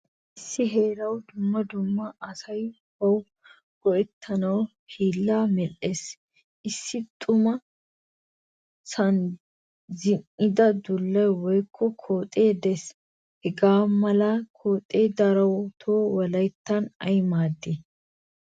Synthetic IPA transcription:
ʔɪsːɪɦeːɾɐwd̪ʊmːɐd̪ʊmːɐɐsɐj | wɐw | ɡ̥ɔʔɛt̪ʰːɐnɐw | hiːlːaːmɛles | ʔɪsːɪt̪ʼʊmɐ | sɐn | zɪnʔɪd̪ɐd̪ʊlːɐjwɔjkʰːɔkʰoːt̪ʼeːd̪ɛs | hɛɡaːmɐlɐkʰoːt̪ʼeːd̪ɐɾɐwt̪ʰoːwɔlɐjt̪ːɐnɐ̰jmaːd̪ːɪ

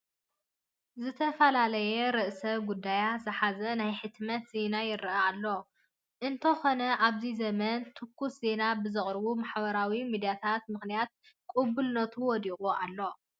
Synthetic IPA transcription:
zɨt̪ʰɐfɐlalɐjɛɾɨʔsɐɡud̪ːajazɨħazɐnajħɨt̪mɐt̪ze̞najɪɾaalːo̞ | ʔɨnt̪ʰɐko̞nɐʔaβzizɐmɐnt̪ʰɨkʰːusze̞nabɨzɨχʼɾβumaħbɐɾawimid̪ijat̪ʰat̪̚mɨxnijat̪̚ | kʼubulnɐt̪ʰuwɔd̪ikʼualːo̞

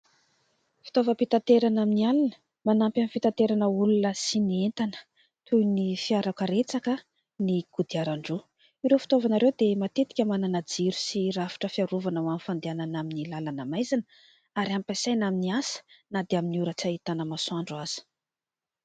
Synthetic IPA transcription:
fi̥t̪ovəpit̪ant̪eɾanaminialanə̥ | manampjamifit̪at̪eɾanəulunəsinient̪anə̥ | t̪ʰujnifiaɾakəɾet͡sakə | niɡ̥ud̪iaɾaɳɖ͡ʐu | iɾewfi̥t̪ovanaɾewd̪emat̪et̪i̥kʲəmananad͡ziɾu̥sirafi̥ʈ͡ʂəfiaɾuvanawanfand̪eananaminilalanamajzanə | aɾiampasajnaminiasə̥nad̪eaminiuɾət͡sait̪anəmasuaɳɖ͡ʐuaz̥i̥

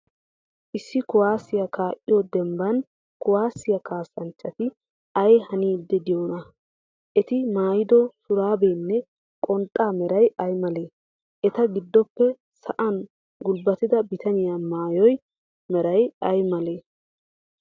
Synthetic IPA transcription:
ʔɪsːɪkʊwaːsːɪjɐkaːʔʼɪjod̪ɛmbɐn | kʊwaːsːɪjɐkaːsːɐnt͡ʃʼːɐt̪ɪ | ɐjhɐniːd̪ːɛd̪ɪjoːnɐ | ʔɛt̪ɪmaːjɪd̪ɔsʊɾaːbeːnːɛ | kʼɔnt̪ʼːaːmɛɾɐjɐjmɐleː | ʔɛt̪ɐɡɪd̪ːɔpːɛ | sɐ̰ʔɐn | ɡʊlbːɐt̪ɪd̪ɐbɪt̪ʰɐɲɪjamaːjɔj | mɛɾɐjɐjmɐle̞ː

